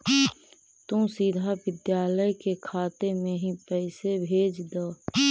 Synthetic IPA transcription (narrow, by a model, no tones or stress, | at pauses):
t̪ũsid̪ʱaʋɪd̪jaːləjkekʰaːt̪emẽɦĩpɛːsebʱeːd͡ʒd̪aː